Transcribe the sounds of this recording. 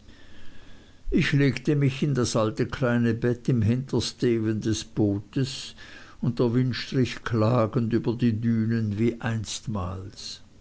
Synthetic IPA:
ʔɪçleːktəmɪçɪndasʔaltəkʰlaɪnəbɛtɪmɦɪntɐsteːbəndɛsb̥oːtəsʊntɛɐvʏnʃtʁɪçkʰlaːɡən̩dyːbɐdiːdyːnənviːʔaɪnstma̰ːls

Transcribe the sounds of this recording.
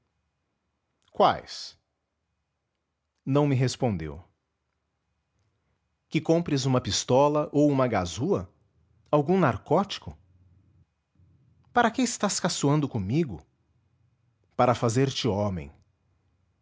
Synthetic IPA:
kwa̰js | nɐ̃w̃mɪɦespõnd̪ḛw | kɪkõpɾɪzũmɐpist̪ɔlɐʔowũmɐɡazuɐ | awɡũnaɾkɔt͡ʃi̥kʊ | paɾɐkɪɪst̪askasuɐ̃nd̪ʊkõmiɡʊ̰ | paɾɐfazeɾt͡ʃɪɔmḛ̃j̃

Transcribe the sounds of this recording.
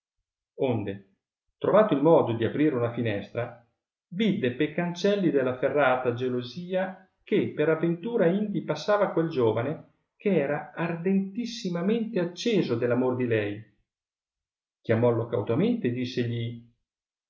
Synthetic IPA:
ond̪e | t̪ɾovaːt̪oilmɔːd̪od̪iapɾiːɾeunafinɛst̪ɾa | vid̪ːepejkant͡ʃɛlːid̪elːaferːaːt̪ad͡ʒeloziːa | k̟epːeɾavːent̪uːɾaind̪ipasːaːvakweld͡ʒoːvane | keɛːɾaard̪ent̪isːimament̪eat͡ʃːeːzod̪elːamord̪ilɛj | k̟ʲjamɔlokawt̪ament̪ed̪isːeʎi

